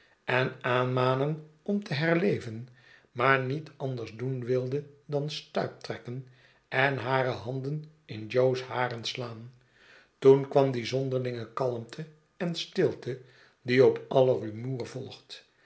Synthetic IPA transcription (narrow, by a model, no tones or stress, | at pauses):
ʔɛnaːnmaːnənɔmtəɦɛɹlejvən | maːɹnitʰɑndəɹzdunʋɪlˠdədɑnstœɥp̚trɛkən | ʔɛnɦaːɾəɦɑndənɪnd͡ʒowsɦaːrənslaːn | tunkʋɑmdizɔndəɹlɪŋəkɑləmtʰə | ɛnstɪlˠtə | diɔpɑlərymuːɹvɔlˠχt